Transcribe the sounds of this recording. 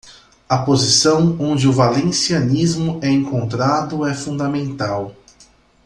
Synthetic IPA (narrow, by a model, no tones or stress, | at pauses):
ɐpozisɐ̃w̃õnd͡ʒɪʊvalẽsiɐnizmʊɛẽŋkõnt̪ɾad̪ʊɛfũnd̪ɐmẽnt̪aw